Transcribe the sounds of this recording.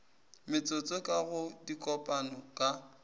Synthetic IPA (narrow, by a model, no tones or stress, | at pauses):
mɪt͡sʼʊt͡sʼɔkʼaɣʊdikʼɔpʼanɔkʼa